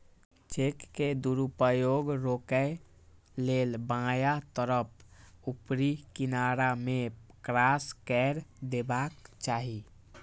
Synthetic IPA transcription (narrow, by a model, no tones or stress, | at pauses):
t͡ʃekːed̪uɾupəjoɡɾokɛ | lelbãjat̪əɾəp̚ʰupɾikinaɾamekɾaskɛɾd̪ebakt͡ʃaːɦi